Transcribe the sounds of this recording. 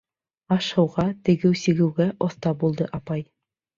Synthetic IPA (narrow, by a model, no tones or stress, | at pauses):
ɑʃhɤ̆wʁɑt̪ɘ̆ɡɘwsɘ̆ɡɘ̆wɡæʔŏθt̪ɑbulˠd̪ɤʔɑpɑj